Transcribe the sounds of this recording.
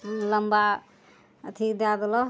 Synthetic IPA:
ləmba | ət̪ʰid̪ad̪lɔ

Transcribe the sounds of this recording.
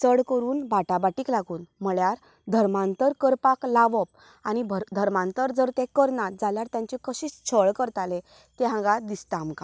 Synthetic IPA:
t͡səɽkəɾuːnbaʈabaʈiːklaɡuːnm̤əɭjaɾ | d̪ʱəɾmant̪əɾkəɾpaklaʋəp̚ | añibəd̪ʱəɾmãnt̪əɾd͡zəɾt̪ẽkəɾnad͡zaljaɾt̪jãɲt͡ɕikəɕiːt͡st͡sʰəɭkəɾt̪alẽ | t̪eɦãɡad̪ist̪amka

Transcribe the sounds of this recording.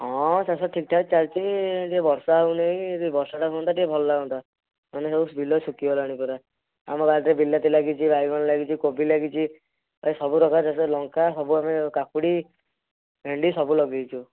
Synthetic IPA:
ɦɔ̃sasɔʈʰikʈʰakt͡ʃalt͡ʃʰid͡ʒebɔɾsaaɦuneĩt̪ibɔɾsɔʈʰakɔnt̪aʈibʱɔlɔlaɡɔ̃nt̪ʰa | manesɔbubʱilɔsukiɔlaɽ̃ipɔɾa | a̰mɔbad̪ɾebilːat̪ilaɡit͡ʃʰibajɡʱɔɽ̃laɡit͡ʃʰikobilaɡit͡ʃʰi | ɔlesɔbuɾɔkʰasaselɔŋkasɔbuamekakuɽi | bʱeɳɖisɔbulɔɡijt͡ʃʰu

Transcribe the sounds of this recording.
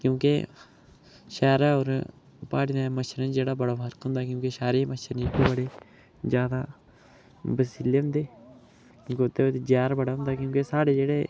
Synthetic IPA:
kjõːke | ʃɛːɾaːoːɾ | paːɽnaːməʃəɾənd͡ʒeːɽaːbəɽaːfəɾk̪ɦʊ̃ːnd̪aːkjõːkeʃaːɾiːməʃəɾnːʈeːbəɽeː | d͡ʒjaːd̪aː | bəsiːleːɦʊ̃nd̪eː | kjõːkeʊt̪ːeːoːt̪ed͡ʒjaːɾbəɽaːɦʊ̃nd̪aːkjõːkesaːɽeːd͡ʒeːɽeː

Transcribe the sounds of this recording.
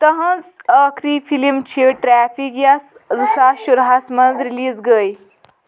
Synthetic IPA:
t̪ɐɦɐ̃zɐːkʰɾiːfilimt͡ʃʰiʈɾæːfikjas | zɨsaːʃuɾɦaːsmɐnzɾiliːzɡəːj

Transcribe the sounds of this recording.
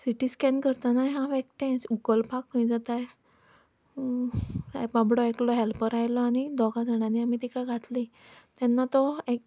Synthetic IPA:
siʈiskɛnkəɾt̪anajɦãʋek̚ʈɛ̃sukəlpakːə̃jd͡zat̪aj | babɽɔeklɔɦɛlpəɾajlɔaɽ̃id̪ɔɡad͡zʱəɽ̃ãniamit̪ikaɡʱat̪li | t̪ɛ̃nːat̪ɔek̚

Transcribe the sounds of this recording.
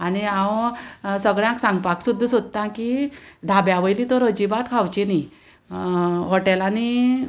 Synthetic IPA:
añiãwsəɡɭjãksãŋɡpaksud̪ʱːəsod̪̚t̪ãkid̪ʱabjaʋəjlit̪ɔɾəd͡ʑibat̪kʰawt͡ɕini | ɦɔʈelani

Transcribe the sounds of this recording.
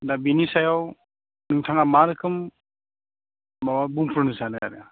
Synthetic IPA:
dabinisajaw | nɯŋtʰaŋamaɾɯkʰɯm | mawabumpʰuɾnɯsanɯa̰ɾia

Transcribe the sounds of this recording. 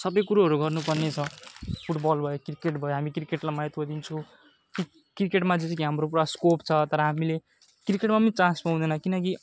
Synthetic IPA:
sʌbʌjkuɾaɦʌɾuɡʌrnupʌrnet͡sʰʌpʰuʈbʌlbʱʌjokrikeʈbʱʌjoɦamikrikeʈlamajʌt̪ɡod̪int͡sʰu | ki | krikeʈmad͡zit͡sʌkiɦamrop̬uɽaskopt͡sʰʌt̪ʌɾʌɦamile | krikeʈmapʌnit͡sãnspaw̃d̪ʌnʌkinʌki

